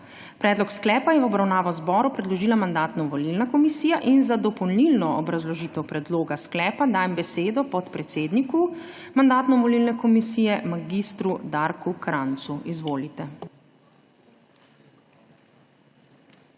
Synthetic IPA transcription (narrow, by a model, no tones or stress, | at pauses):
pɾɛːd̪lɔksklɛːpajɛwɔbɾawnaːʋɔwzbɔːɾupɾɛd̪lɔʒiːlamand̪aːt̪nɔʋɔlilnakɔmisiːjaʔinzad̪ɔpɔwnilnɔɔbɾazlɔʒiːt̪ɛwpɾɛd̪loːɡasklɛːpad̪aːjmbɛseːd̪ɔpɔt̪pɾɛt̪seːd̪niku | mand̪aːt̪nɔmʋɔlilnɛkɔmisiːjɛmaɡist̪ɾud̪aɾkukɾant̪suizʋoːlit̪ɛ